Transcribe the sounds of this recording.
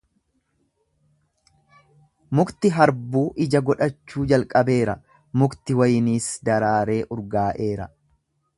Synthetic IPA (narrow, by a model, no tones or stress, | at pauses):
mʊkt̪ɪɦɐɾbuːʔɪd͡ʒɐɡɔᶑɐt͡ʃːuːd͡ʒɐlkʼɐbe̞ːɾɐ | mʊkt̪ɪwɐjniːsd̪ɐɾaːɾe̞ːʔʊɾɡaːʔe̞ːɾɐ